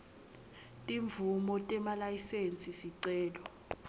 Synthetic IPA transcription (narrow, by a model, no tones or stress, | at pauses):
tʼiɱvumɔtʼɛmalajisent͡sʼisiǀɛːlɔ